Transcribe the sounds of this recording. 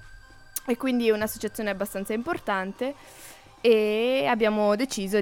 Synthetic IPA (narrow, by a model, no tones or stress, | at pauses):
ekːwind̪iunasːot͡ʃat̪sːjoːneabːast̪ant̪saimport̪ant̪e | eabːjaːmod̪et͡ʃiːzo